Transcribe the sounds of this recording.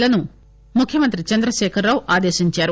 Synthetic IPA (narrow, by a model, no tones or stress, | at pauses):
lɐnu | mukʰːjɐmɐnt̪̬ɾit͡ʃɐnd̪ɾɐʃɛːkʰɐɾːaːʋuʔaːd̪eːʃiɲt͡ʃaːɾu